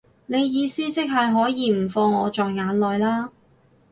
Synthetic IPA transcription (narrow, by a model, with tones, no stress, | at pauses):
ne˨˧jːiː˨˧siː˥t͡sɪ˥k̚hɐ˨jɦɔː˨˥jiː˨˧m̩˨˩fɔː˧ŋːɔː˨˧t͡ʃɔː˨jŋaː˨˧˥nlɔː˨jlaː˥